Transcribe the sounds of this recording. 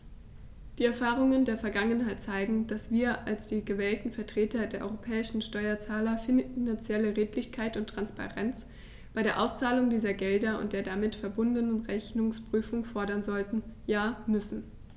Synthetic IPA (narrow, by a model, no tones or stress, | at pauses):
d̥iːɛɐfaːʁʊŋəndeːɐfɛɐɡaŋənɦaɪt̚t͡saɪɡŋ̩d̥asv̥iːɐʔalsd̥iːɡəvɛːltn̩fɛɐtʁ̥eːtɐdeːɐʔɔ̰ʏʁopʰɛːɪʃn̩ʃtɔʏɐt͡saːlɐfɪnant͡sjɛləʁeːtlɪçkʰaɪtʊntʁ̥anspa̰ʁɛnt͡s | b̥aɪɾeːɐʔaʊst͡saːlʊŋdiːzɐɡɛldɐʔʊ̰ntd̥eːɐdamɪtfɛɐbʊndənənʁɛçnʊŋspʁ̥yːfʊŋfɔɐɾɐnzɔltn̩jaːmʏsn̩